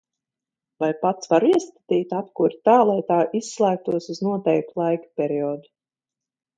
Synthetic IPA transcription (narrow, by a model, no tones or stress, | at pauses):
vajpat̪svaɾiɛskḁt̪iːt̪ʲapkuɾt̪aːlˠajt̪aːʔisːlˠæːk̚t̪uɔsuznuɔt̪ɛjk̚t̪ulˠajkḁpʲɛɾiɔːd̪u